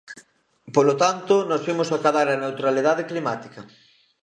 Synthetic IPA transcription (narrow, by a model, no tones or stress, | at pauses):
polot̪ant̪ʊnɔsfimʊsakaðaɾɐnewt̪ɾaliðaðeklimat̪i̥kɐ